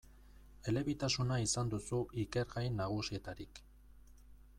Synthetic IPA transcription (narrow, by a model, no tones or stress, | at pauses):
e̞le̞βit̪asunaisand̪usuʔike̞ɾɣajnaɣ̞usie̞t̪aɾik